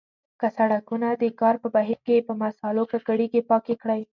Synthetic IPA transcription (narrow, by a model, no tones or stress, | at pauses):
kasaɽakunad̪əkɑɾpəbaɦiɾkepəmasɑlokaɡaɽiɡepɑkekɽaj